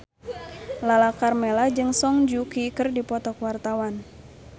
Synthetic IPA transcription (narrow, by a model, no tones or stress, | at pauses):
lalakarmɛlad͡ʒɨŋsɔŋd͡ʒukikɨrdipɔt̪ɔkwart̪awan